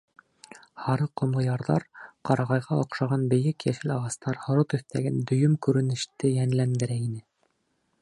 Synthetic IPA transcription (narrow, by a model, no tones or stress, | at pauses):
hɑɾɤqŏmlˠɤjɑɾðɑ̰ɾqɑɾɑʁɑjʁɑŏqʃɑʁɑnbɘ̆jɘkjæʃɘlɑʁɑst̪ɑɾhŏɾot̪ɵ̆θt̪æɡɘnd̪ɵ̆jɵmkʉɾɘ̆nɘ̆ʃt̪ɘjænlænd̪ɘ̆ɾæinɘ